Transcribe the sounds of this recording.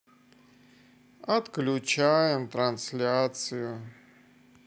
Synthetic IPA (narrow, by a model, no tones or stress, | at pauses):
ɐt̪klʲʊt͡ɕajɪmt̪ɾanslʲat̪sɨjʊ